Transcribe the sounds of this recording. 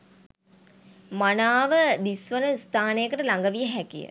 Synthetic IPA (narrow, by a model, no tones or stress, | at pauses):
manaːʋəd̪isʋənəst̪ʰaːnejəkəʈəlaŋɡəʋijəɦækijə̰